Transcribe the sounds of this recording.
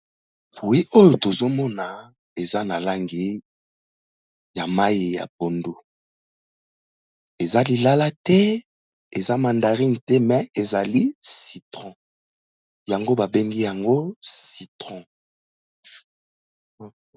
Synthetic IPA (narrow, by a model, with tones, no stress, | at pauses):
fu˨i˦ʔo˦jo˨to˨zo˦mɔ˦na˨ | e˨za˦na˨la˦ŋɡi˨ | ja˨ma˦ji˨ja̰˨p̚o˨ndu˦ | e˨za˦li˨la˦la˦tɛ˦ | e˨za˦ma˨nda˨ʁi˦n˨tɛ˦mɛ˨e˨za˨li˦si˨tʁɔ̃˦ | ja˨ŋɡo˦ba˨be˦ŋɡi˦ja˨ŋɡo˦si˨tʁɔ̃˨